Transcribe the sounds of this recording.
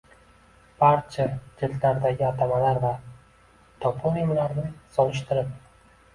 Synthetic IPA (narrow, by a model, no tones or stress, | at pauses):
b̥aɾt͡ʃʰad͡ʒɪllaɾd̪aɡʲɪat̪ʰamalaɾva | t̪ʰɒpʰolimlaɾnɪsɒlɪʃt̪ʰɪɾɪp̚